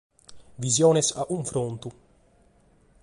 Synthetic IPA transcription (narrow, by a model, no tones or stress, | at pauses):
vizjɔːnesaʔuɱfɾont̪u